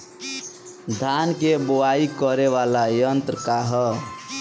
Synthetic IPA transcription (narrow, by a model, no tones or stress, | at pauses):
d̪ʱankebowaikəɾeβalajʌnt̪ɾəkaɦɔ